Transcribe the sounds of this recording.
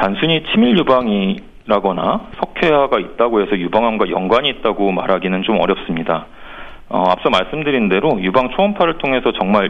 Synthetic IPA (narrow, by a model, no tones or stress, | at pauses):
tansʰuɲit͡ɕʰimiʎjubaŋi | ɾaɡʌna̰sʰʌkʰeɦaɡait̚t͈aɡoɦe̞sʰʌjubaŋɦamɡwajʌŋɡwaɲiːt̚t͈aɡomaɾɦaɡinɯnt͡ɕomʌ̰ɾjʌp̚s͈ɯmɲida | ʌap̚s͈ʌmaɭs͈ɯmdɯɾinde̞ɾojubaŋt͡ɕʰoʌmpʰaɾɯɭtʰoŋɦe̞sʰʌt͡ɕʌŋma